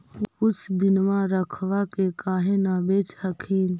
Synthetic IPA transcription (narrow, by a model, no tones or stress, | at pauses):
kʊt͡ʃʰd̪ɪnmãɾəkʰʋakekaːɦẽnabeːt͡ʃəkʰiːn